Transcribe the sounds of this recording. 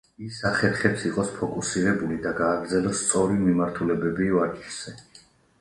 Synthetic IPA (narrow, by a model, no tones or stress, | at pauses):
isaχɛɾχɛpsiqʼɔspʰɔkʼusiɾɛbulid̪aɡaːɡɾd̪zɛlɔst̪sʼɔɾimimaɾt̪ʰulɛbɛbivaɾt͡ʃʰʼz̥ɛ